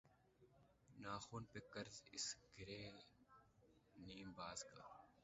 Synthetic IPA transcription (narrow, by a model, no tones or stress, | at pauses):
naːxuːnpekəɾzɪsɡʱɪɾeː | niːmbaːzkaː